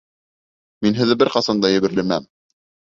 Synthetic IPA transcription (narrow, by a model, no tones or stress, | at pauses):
minɦɘ̆ðɘbɘɾqɑsɑnd̪ɑjɘ̆βɘ̆ɾlɘ̆mæm